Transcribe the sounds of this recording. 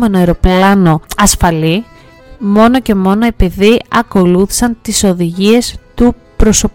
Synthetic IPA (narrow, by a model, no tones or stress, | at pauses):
me̞noeɾo̞plɐno̞ɐsfɐli | mo̞no̞ce̞mo̞no̞e̞piðiɐko̞luθi̥sɐnt̪iso̞ðiʝie̞st̪u | pɾo̞so̞p